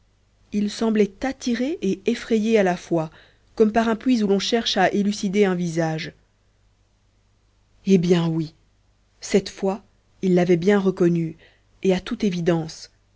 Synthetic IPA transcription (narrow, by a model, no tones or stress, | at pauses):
ilsɑ̃blɛt̪at̪iʁeʔeefχɛjealafwa | kɔmpaʁɛ̃pɥizulɔ̃ʃɛʁʃaʔelysid̪eɛ̃vizaʒ | ebjɛ̃wi | sɛt̪fwa | ilːavɛbjɛ̃ʁəkɔny | eat̪ut̪evid̪ɑ̃s